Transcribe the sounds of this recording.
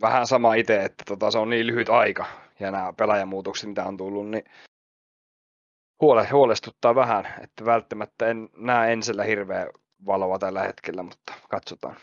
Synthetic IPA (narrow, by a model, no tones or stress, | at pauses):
ʋæhænsɑmɑit̪eet̪ːæ̥t̪ot̪ɑseonniːlyhyt̪ɑikɑ | jɑnæːpelæjɑmːuːt̪okse̥t̪mit̪æont̪ulːunni | huolehuolest̪ut̪ːɑːʋæhænḛt̪ːæʋælt̪ːæmæt̪ːæennæːenselːæhirʋeː | ʋɑloʋɑt̪ælːæhḛt̪kelːæmut̪ːɑ̥kɑt̪sot̪ɑ̰ːn